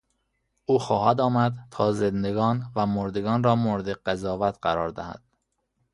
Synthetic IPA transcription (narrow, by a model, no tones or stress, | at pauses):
ʔuːxɒːhæd̪ɒːmæd̪t̪ʰɒːzend̪eɡɒːnvæmoɾd̪eɡɒːnɾɒːmoɾd̪eɢæzɒːvæt̪ɢæɾɒːɾd̪æ̰hæ̰d̪̥̚